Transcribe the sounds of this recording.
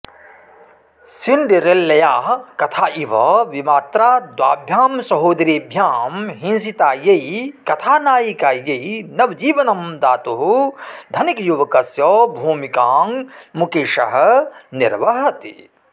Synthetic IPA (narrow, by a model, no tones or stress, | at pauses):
siɳɖiɾelːɐjaːɦkɐt̪ʰaːʔiʋɐʋimaːt̪ɾaːd̪waːbʱjaːmsɐɦoːd̪ɾiːbʱjaːmɦĩnsit̪aːjeikɐt̪ʰaːnaːjikaːjɐinɐʋd͡ʒiːʋɐnɐmd̪aːt̪uɦud̪ʱɐnikjuʋɐkɐsjɔːbʱuːmikaːŋmukeːʃɐɦɐ̆niɾʋɐɦɐt̪ḭ